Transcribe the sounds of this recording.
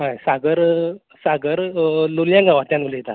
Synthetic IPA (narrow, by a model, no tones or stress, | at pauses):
ɦãjsaɡəɾ | saɡəɾloljãŋɡaʋat̪ʲjanəlejt̪a